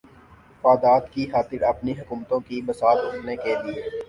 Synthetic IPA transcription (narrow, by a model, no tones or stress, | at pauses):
faːd̪aːd̪kixaːt̪ɪɾɐpniɦʊkuːmt̪õkibɐsaːlʊʈnekelieː